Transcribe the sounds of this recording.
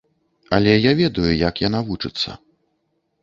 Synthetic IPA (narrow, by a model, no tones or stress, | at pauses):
ɐlʲɛjavʲɛd̪ɐjujakjanavut͡ʂɨt̪sːɐ̰